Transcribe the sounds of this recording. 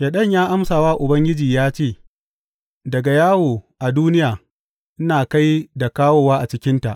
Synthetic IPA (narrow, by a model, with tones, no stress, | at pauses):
jaː˨ɗɐ˦˨ɲjaː˦ʔa˦msaː˨waː˦ʔʊ˨bɐ˦ŋɡʲɪ˦d͡ʒiː˨jaː˦t͡ʃeː˦˨ | dɐ˨ɡa˨jaː˦woː˨ʔa˨duː˦nɪ˦jaː˨ | ʔɪ˦naː˨ka˦jda˨kaː˦woː˦˨waː˦ʔa˨t͡ʃɪ˦kʲɪ˦nta˨ʔ